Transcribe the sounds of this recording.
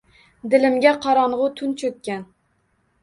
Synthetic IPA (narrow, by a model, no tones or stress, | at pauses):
d̪ɪ̆lɪmɡʲæqʰɑɾɑɴʁʊt̪ʰʊnt͡ʃʰɵkʲkʲːæn